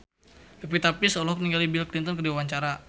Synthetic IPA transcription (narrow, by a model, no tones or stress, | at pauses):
ləp̬it̪apisɔlɔhkniŋɡalibilklint̪ɔnkərdiawaɲt͡ʃaɾa